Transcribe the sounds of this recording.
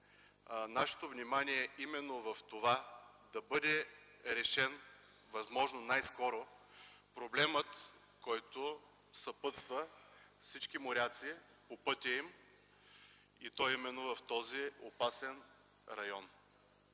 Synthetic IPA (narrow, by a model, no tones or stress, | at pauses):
naʃɛ̥t̪ovnʲimaniɛimɛnːovɐft̪ova | d̪ɐbɤd̪ɛ | ɾɛʃɛn | vɐzmɔʒnonajskɔɾopɾoblɛmət̪ | kɔjt̪o | sɐpɤt̪st̪vəfsit͡ʃkimoɾʲat̪siː | popɤt̪ʲɐim | it̪ɔjimɛnːovɐft̪ɔziopasɛn | ɾɐjɔn